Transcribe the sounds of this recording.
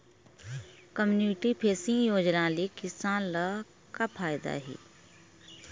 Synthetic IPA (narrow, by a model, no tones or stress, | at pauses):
kəmjununɪʈipʰeːsɪ̃ŋɡjoːd͡ʒnaːlikɪsaːnla | kapʰaːjd̪a̰ɦɛ̰ː